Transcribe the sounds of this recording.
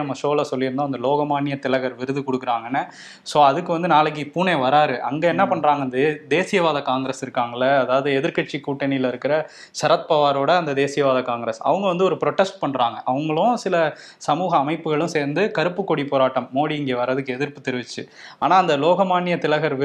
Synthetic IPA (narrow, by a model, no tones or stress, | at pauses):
ɐmːɐsoːlɐsɔlːɪɾɯnd̪aːɐnd̪ɐloːɣɐmaːɳːɪjɐt̪ɪlɐɣɐɾʋɪɾɯðɯkɔɽɯkːɪɾaːŋɡɐnːɐ | soːɐðɯkːɯʋɐnd̪ɯnaːlɐk̬ːipuːneːʋɐɾaːɾɯʔɐ̰ŋɡeːɛnːɐpɐɳːɾaːŋɡɐnd̪d̪eːsɪjɐʋaːðɐkaːŋɡɪɾɐsɪɾɯkːaːŋɡɐlːɐɐːðaːʋɐðɯɛðɪɾkɐʈ̚t͡ʃːikuːʈːɐnɪlɐɪɾɯkːɪɾɐ | sɐɾɐt̪̚pɐʋaːɾoːɽɐɐnd̪ɐd̪eːsɪjɐʋaːðɐkaːŋɡɪɾesɐ̰ʋɐŋɡɐʋɐnd̪ɯɔɾɯpɪɾoʈːɛsʈ̚pɐɳːɾaːŋɡɐʔɐʋɐŋɡɐɭʊ̃sɪlɐ | sɐmuːɣɐːmɐɪpːɯɣɐɭɯ̃seːɾnd̪ɯkɐɾɯpːɯkːɔɽipoːɾaːʈːɐmːoːɽiɪŋɡeːʋɐɾɐðɯkːɯɛðɪɾpːɯt̪ːɛɾɯʋɪt͡ʃːɯaːnaːɐnd̪ɐloːɣɐmaːnːɪjɐt̪ɪlɐɣɐɾʋɪ